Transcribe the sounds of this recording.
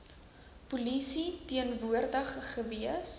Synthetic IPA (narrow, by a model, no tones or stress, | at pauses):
pulisitiənvuərdəχːəviəs